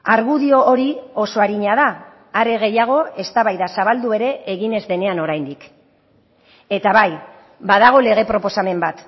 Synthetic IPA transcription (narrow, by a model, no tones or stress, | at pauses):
aɾɣuðio̞ːɾio̞so̞aɾiɲaðaː | ɾe̞ɣe̞jaɣ̞o̞e̞st̪aβajðasaβ̞ald̪ue̞ɾe̞ʔeɣine̞zðe̞ne̞ano̞ɾajnd̪ik | e̞t̪aβaj | bað̞aɣ̞o̞le̞ɣ̞e̞pɾo̞po̞same̞mbat̪